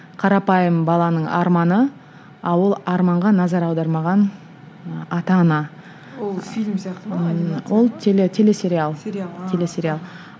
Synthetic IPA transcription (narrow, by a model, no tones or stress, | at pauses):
qʰɑɾɑpɑjəmbɑlˠɑnəɴɑ̰ɾmɑnə | ɑwolˠɑɾmɑɴʁɑnɑzɑɾɑwd̪ɑɾmɑʁɑn | ɑt̪ɑnɑ | filmst̪wo̞lˠt̪ʰelet̪ʰe̞le̞se̞ɾialˠt̪ʰe̞le̞se̞ɾialˠ